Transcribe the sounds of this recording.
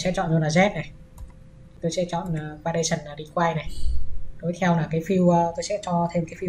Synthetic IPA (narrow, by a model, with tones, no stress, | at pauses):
sɛ̰˧˥t͡ɕɔ̰˧˨nzo˧nlaː˨˩zɛ˦˥t̚na˨˩˨ | t̪o˧jsɛ̰˧˥t͡ɕɔ̰˧˨nəː˨˩kaː˧ɗə˧jt͡ɕə˨˩nlaː˨˩ɗi˧kwaː˧jna˨˩jt̪o˨˦jt̪ʰɛ˧wnaː˨˩kaː˨˦jfi˧wəː˧t̪o˧jsɛ̰˧˥t͡ɕɔ˧t̪ʰe˧mkaː˨˦jfi˧